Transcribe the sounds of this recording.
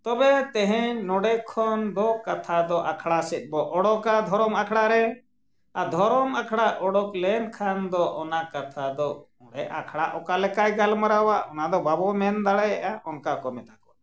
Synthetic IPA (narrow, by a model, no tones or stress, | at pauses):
t̪ɔbɛt̪ɛɦɛ̃nɔɽɛkʰɔnd̪ɔkat̪ʰad̪ɔʔakʰɽasɛt̪̚ˀbɔʔɔɽɔkad̪ʱɔɾɔmakʰɽaɾɛ | ad̪ʱɔɾɔmakʰɽaʔʔɔɽɔklɛnkʰand̪ɔʔɔnakat̪ʰad̪ɔ | ɔɽɛa̰kʰɽaʔɔkalɛkajɡalmaɾawaʔɔnad̪ɔbabɔmɛnd̪aɽɛjʔaʔɔnkakɔmɛt̪akɔwa